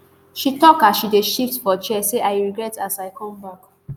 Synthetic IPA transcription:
ʃitɔkaʃideʃiftfɔt͡ʃɛseʔajɹiɡɹɛtasaɪkʰɔ̃mwɔk

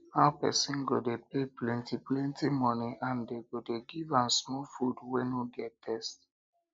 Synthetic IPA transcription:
haʊpɛ̰sĩnɡodepeplɛ̃ntiplɛ̃ntimɔniʔãndeɡodeɡivãnsmɔlfudwɛ̃nuɡɛtːʰɛst

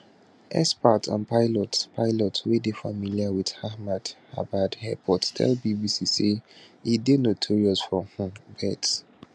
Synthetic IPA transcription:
ʔɛ̰spatʰã̰npaɪlɔtpʰaɪlɔtʰwedefa̰miliawið̥hahmad̥ha̰badhɛpʰɔttʰɛ̰lbibisiseidenotʰuɹiɔsfɹɔhũbɛt

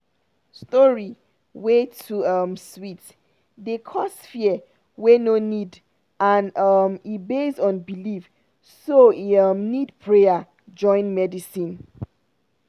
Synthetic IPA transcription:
stɔɹi | wetʰuʌmswit | dekʰɔsfiə | wenonid | ãnʌmibesɔ̃nbilif | soiʌmnidpʰɹeja | d͡ʒɔ̃ɪ̃nmɛdisĩn

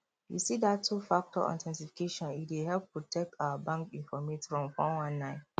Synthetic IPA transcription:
jṵsidatʰːufak̚tɔ̰ʔɔ̰̃ntʰɛ̃nsifi̥kʰeʃɔ̃nitwehɛlp̚potʰɛk̚tʰaʊwəbãŋkĩnfɔmetfɹɔ̃mfɔ̃nwãnːãɪ̃n

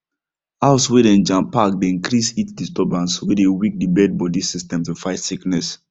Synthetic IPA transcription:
aʊswedẽnd͡ʒãmpak̚deĩŋkɾisitdistɔbãnswedewik̚dibɛd̚bɔdisistɛ̃mtufaɪtsiknɛs

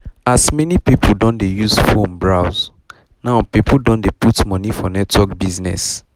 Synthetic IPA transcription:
asmɛnipipʰuldɔ̃ndejuzfõmbɹaz | naʊpipuldõndeputmɔnifɔnɛtwɔkbiznɛ̰s

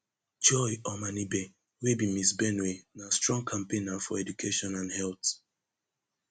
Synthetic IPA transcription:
d͡ʒɔjɔmanibe | webimisbɛnwenastɹɔ̃ŋkʰãmpenafɔɛdukʰeʃɔ̃nãnhɛlt

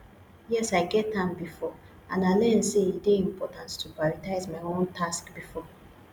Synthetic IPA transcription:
jɛsaɪɡɛtãnbifɔ | ãnaɪlɛ̃nseitdeĩmpʰɔtãnttʰupaɹitaɪzmaɪõntʰaskbifɔ

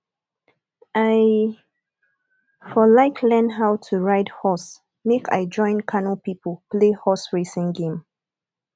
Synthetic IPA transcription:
aɪ | fɔlaɪkʰlɛ̃nɦaʊtʰuɹaɪdhɔs | mekʰa̰ɪd͡ʒɔ̃ɪ̃nkʰanəpipʰəlplehɔsɹesɪ̃ŋɡẽm

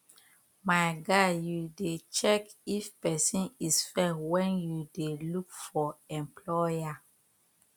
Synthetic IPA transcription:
maɪɡajudet͡ʃɛkifpɛsĩnisfɛwɛ̃njudelukfɔɛ̃mpʰlɔja

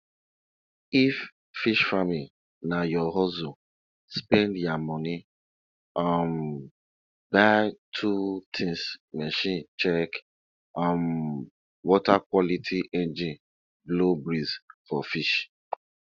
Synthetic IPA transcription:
ifː | iʃfamil | najɔɦɔzu | spɛ̃ndjamɔ̃ni | am | batʰutʰĩsmɛʃĩnt͡ʃɛk | ãm | wɔtakwɔlitʰiʔɛ̃nd͡ʒĩn | blobɾizfɔfiʃ

